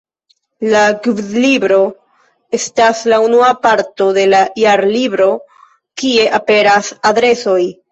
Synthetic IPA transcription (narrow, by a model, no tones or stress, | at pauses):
laɡvdlibɾo̞ | e̞staslaunuapaɾto̞de̞lajaɾlibɾo̞ | kie̞ʔape̞ɾasadɾe̞so̞j